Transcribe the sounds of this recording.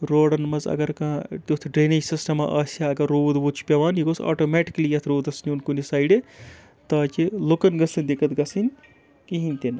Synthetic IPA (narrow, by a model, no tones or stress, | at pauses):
ɾoːɽɐnmɐzɐ̰ɡɐɾkɐ̃t̪ʲot̪ʰɖɾeːnid͡ʒsisʈɐmɐʔɐːsʲaɐɡɐɾːoːd̪but͡ʃʰu̥pʲɐʋaːniɡosʰa̰ːʈomɛːʈi̥kɐlijɐt̪ʰɾuːd̪ɐsnʲiunkunisaːjɖe | t̪aːt͡ʃilokɐnɡɐsɨnʲd̪ekɐt̪ɡɐsɨnʲ | kiɦinʲt̪in